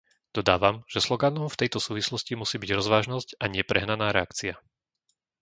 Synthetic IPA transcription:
d̪̥ɔd̪aːʋamʒ̥ɛslɔɡanɔʊft̪ɛjt̪ɔsuːʋislɔscimusiːbiɟɾɔzʋaːʒnɔscaɲɪɛpɾɛɦnanaːɾɛakt͡sia

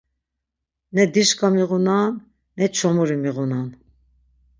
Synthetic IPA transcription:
nɛd̪iʃkamiʁunanː | ɛt͡ʃʰɔmuɾimiʁunan

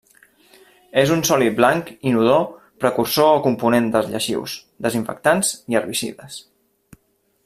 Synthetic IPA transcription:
ezunsɔliblaŋkinuð̞o | pɾəkuɾsoːkumpunend̪əzʎəʃḭws | d̪əziɱfə̰k̚t̪anziərβisḭðəs

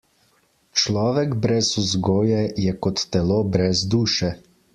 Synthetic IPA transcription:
t͡ʃlɔːʋɛɡbɾɛsuzɡoːjɛjɛkɔt̪ːɛloːbɾɛzd̪uːʃɛ

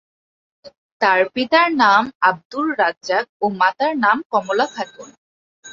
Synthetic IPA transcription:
t̪aɾpit̪aɾnamab̚d̪ulːad͡ʑzak̚omat̪aɾnamkɔmolakʰat̪un

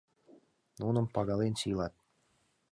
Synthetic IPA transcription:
nunə̆mpɑɣɑlenɕilɑt̪̚

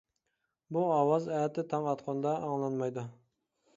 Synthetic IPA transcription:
buɑwɑzɛjɛt̪ɪt̪ʰɑŋɑt̪qʰɑnd̪ɑʔːŋlˠɑnmɑjd̪ʊ

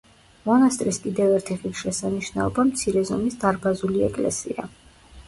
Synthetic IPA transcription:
mɔnast̪ʼɾiskʼid̪ɛvɛɾt̪ʰiʁipʃɛsaniʃna̰ɔbamt̪sʰiɾɛzɔmisd̪aɾbazuliɛkʼlɛ̰sḭa̰

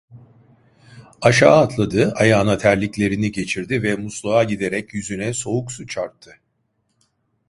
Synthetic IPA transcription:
aʃaːt̪lˠad̪ɯajaːnat̪ʰæɾlʲiclʲe̞ɾiniɟe̞t͡ʃʰiɾd̪ivɛmuslˠaaɟid̪e̞ɾɛcjyzynɛso̞uksut͡ʃʰaɾt̪ʰːɯ

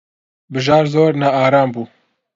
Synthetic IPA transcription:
bɨʒɑːɾzoːɾnaaːɾaːmbuː

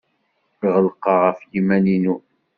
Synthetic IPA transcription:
ʁəlqɑʁəfjimæninu

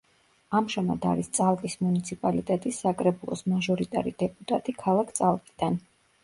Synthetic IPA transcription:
amʒama̰d̪a̰ɾist̪sʼalˠkʼismunit̪sʰipʼalit̪ʼɛt̪ʼisːakʼɾɛbulˠɔ̰smaʒɔɾit̪ʼa̰ɾid̪̥ɛpʼut̪ʼat̪ʼikʰalˠakʰt̪sʼalˠkʼid̪̥an

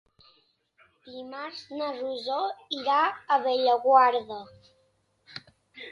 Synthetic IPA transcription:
imaɾznəruzoiɾaəβeʎəɣwaɾðə

